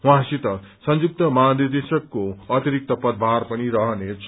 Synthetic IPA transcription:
wãsit̪ʌsʌnd͡zuk̚t̪ʌmanird̪esʌkːoʌt̪iɾik̚t̪ʌpʌd̪̚bʱarpʌniɾʌɦʌnet͡sʰ

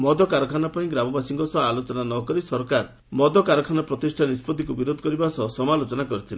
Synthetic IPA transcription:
mɔd̪ɔkaɾɔkʰanapaĩɡɾamɔbasiŋkɔsɔɦalot͡ʃɔnanɔkɔɾisɔɾkaɾ | mɔd̪ɔkaɾɔkʰanapɾɔt̪isʈʰanispɔd̪ʱikubiɾod̪ʱɔkɔɾibasɔsɔmalot͡ʃɔnakɔɾit̪ʰile

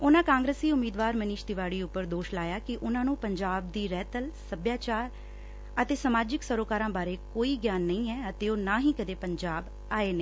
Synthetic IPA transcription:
ʊnãːkãːŋɡɾəsiːʊmiːd̪ʋaːɾməniːʃd̪ɪʋaːɽiːʊpːəɾd̪oːʃlaːjaːkɪʔʊnãːnũːpəɲd͡ʒaːb̚d̪iːɾɛːt̪əlsəbjaːt͡ʃaːɾ | ət̪eːsəmaːd͡ʒɪksəɾoːkaːɾãːbaːɾeːkoːiːɡjaːnːəĩːɛːət̪eːoːnaːɦĩːkəd̪eːpəɲd͡ʒaːb | aːeːneː

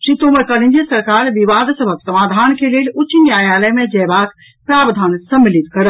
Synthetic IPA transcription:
ʃɾit̪omekəɾind͡ʒisəɾkaɾʋiʋad̪səbʱəksəmad̪ʱankelelut͡ʃʃʰinjajaləjmẽd͡ʒɛbak | pɾabd̪ʱansəmːilit̪kəɾə

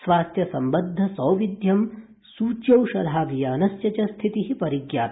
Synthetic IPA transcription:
sʋaːst̪jɐsɐmbɐd̪ʱːɐsɐːʋid̪jɐm | suːt͡ʃjɐwʃɐlʱaːʋijaːɐnɐsjɐt͡ʃɐst̪ʰit̪iɦipɐɾiɡjaːt̪

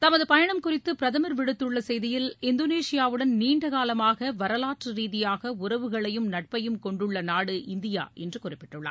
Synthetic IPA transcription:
t̪ɐmɐðɯpɐjɐɳɐmkʊrɪt̪ːɯpɪɾɐðɐmɐɾʋɪɽɯt̪ːɯɭːɐsɛjðɪjɪlɪnd̪oneːʂɪjaːʋɯɽɐnniːɳɖɐɣaːlɐmaːɣɐʋɐɾɐlaːʈrɯɾiːðɪjaːɣɐʊrɐʋɯɣɐɭɐjɯmnɐʈ̚pɐjɯmkɔɳɖɯɭːɐnaːɽɯʔɪnd̪ɪja̰ːʔɛndrɯkʊrɪpːɪʈːɯɭːɐ̰ː

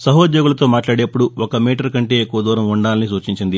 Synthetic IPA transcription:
sɐɦoːd̪joːɡulɐt̪o̞ːmaːʈlaːɽe̞ːpːuɽuɔkɐmiːʈɐɾkɐɳʈe̞ːekːuʋɐd̪uːɾɐmuɳɖaːlɐnisuːt͡ʃiɲt͡ʃind̪i

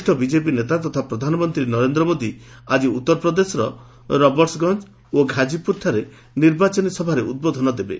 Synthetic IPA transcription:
ʈʰɔbid͡ʒep̬inet̪at̪ɔt̪ʰapɾɔd̪ʱanɔmɔnt̪ɾinɔɾend̪ɾɔmod̪ʱi | ad͡ʒiut̪ːɔɾɔpɾɔd̪esɔɾɔ | ɾɔbɔɾʈsɡɔnd͡ʒ | oɡʱad͡ʒipuɾt̪ʰaɾe | niɾbat͡ʃɔnisɔbʱaɾeud̪̚bod̪ʱɔnɔd̪ebḛ

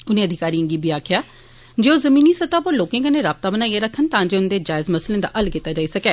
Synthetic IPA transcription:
ʊnẽːəd̪ʱɪkaːɾiːə̃ŋɡiːbʱiːaːkʰjaː | d͡ʒeːoːzəmiːniːsət̪aːpəɾloːkẽːkənẽːɾaːb̚t̪aːbənaːiaɾəkʰənt̪ãːd͡ʒeʊnd̪eːd͡ʒaːɪzməslẽːd̪a̰ːʔəlkit̪ːaːd͡ʒaːiːsəkɛː

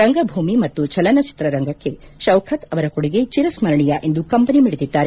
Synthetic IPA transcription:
ɾɐŋɡɐbʱuːmimɐt̪ːut͡ʃɐlɐnɐt͡ʃi̥t̪ɾɐɾɐŋɡɐkːe̞ | ʃɐwkʰɐt̪ɐʋɐɾɐkoɽiɡet͡ʃiɾɐsmɐɾɐɳijɐʔe̞nd̪ukɐmpɐnimiɽit̪id̪ːaːɾe

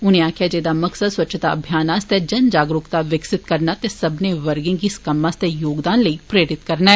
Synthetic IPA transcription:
ʊnẽːaːkʰjaːd͡ʒeːd̪aːməksəd̪swətːt͡ʃʰt̪aːəbʱjaːnaːst̪ɛːd͡ʒənd͡ʒaːɡɾʊkt̪aːʋɪksɪt̪kəɾnaːt̪eːsəbneːʋəɾɡɪ̃ŋɡiskəmãːst̪ɛːjoːɡd̪aːnləiːpɾeːɾɪt̪kəɾnaɛː

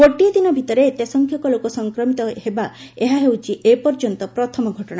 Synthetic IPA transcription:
koʈijɔd̪inɔbʱit̪ɔɾet̪esɔŋkʰjɔkɔlokɔsɔŋkɾɔmit̪ɔheba | eɦaɦewt͡ʃʰiʔepɔɾd͡ʒɔnt̪ɔpɾɔt̪ʰɔmɔɡʱɔʈɔɽ̃a

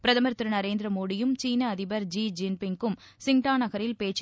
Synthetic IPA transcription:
pɪɾɐðɐmɐɾt̪ɾɯnɐɾeːnd̪ɪɾɐmoːɽɪjɯmt͡ʃiːnɐːðɪbɐɾd͡ʒiːd͡ʒɪnpɪŋɡɯm | sɪŋʈaːnɐɣɐɾɪlpeːt͡ʃ

